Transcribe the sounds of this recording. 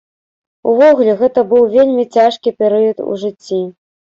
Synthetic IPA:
uvɔɣulʲɛɣɛt̪ɐbɨwvʲelʲmʲit͡sʲaʂkʲipʲɛɾɨjɐt̪ṵʐɨt͡sʲːi

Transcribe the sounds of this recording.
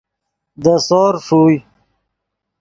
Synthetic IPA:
d̪əsoːɾʂuːj

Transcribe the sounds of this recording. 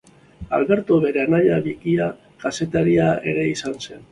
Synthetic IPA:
a̰lβe̞ɾt̪uβe̞ɾeanaʎaβikia | kase̞t̪aɾiae̞̰ɣe̞isanse̞n

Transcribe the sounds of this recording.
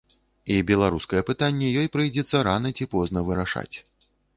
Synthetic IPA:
ibʲɛlˠaɾuskɐjɛpɨt̪anʲːɛjɔjpɾɨjd͡zʲɛt̪sːɐɾanɐt͡sʲipɔznɐvɨɾaʂa̰t͡sʲ

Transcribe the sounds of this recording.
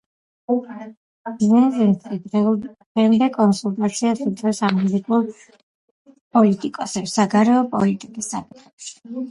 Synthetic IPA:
biznɛzɛt̪ʼid̪ɛ | ɛmd̪ɛkʼɔnsulˠt̪ʼat̪sʰiasit̪ʼɛsamɛlikʼuɾ | pʼɔlit̪ʼikʼɔsɛpsaɡaɾɛɔpʼɔ̰lit̪ʼikʼisapʼit̪ʰɛpʃi̥

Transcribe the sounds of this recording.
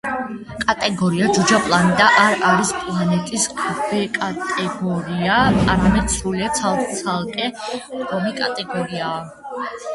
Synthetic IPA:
kʼat̪ʼɛɡɔɾiad͡ʒud͡ʒapʼlˠanɛt̪ʼaʔaɾaɾispʼlˠanɛt̪ʼisbɛkʼat̪ʼɛɡɔɾiaaɾamɛd̪sɾuliat̪sʰalˠkʼt̪sʰalˠkʼɛɡɔmikʼat̪ʼɛɡɔɾiaː

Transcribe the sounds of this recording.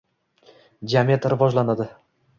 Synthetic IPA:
d͡ʒamiat̪ɾɪvɒʒlanad̪ɪ

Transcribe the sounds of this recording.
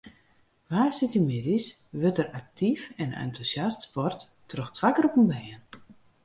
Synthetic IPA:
ʋaːsɪtimɪdis | ʋøtərak̚tʰifɛna̰ntʰusjastspɔrtːrɔxtʰʋakəɾɔpənbɛjən

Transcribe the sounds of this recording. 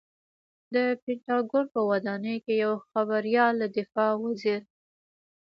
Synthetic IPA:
d̪əpɪɳʈɑɡonpəwad̪ɑnəjkejawxaβaɾijɑlːad̪ɪfɑwaziɾ

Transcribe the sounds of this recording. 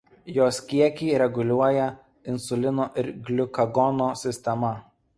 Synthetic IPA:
joːskʲiɛkʲɛɪɾʲɛɡʊlʲuɔjɛ | ɪnsʊlʲɪnoːʔɪɾɡʲlʲʊkɐɡɔnoːsʲɪsʲt̪ʲɛmɐ

